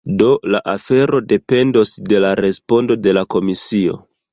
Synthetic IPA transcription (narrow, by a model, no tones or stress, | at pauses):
do̞laʔafe̞ɾo̞de̞pe̞ndo̞sde̞laɾe̞spo̞ndo̞de̞lako̞misio̞̰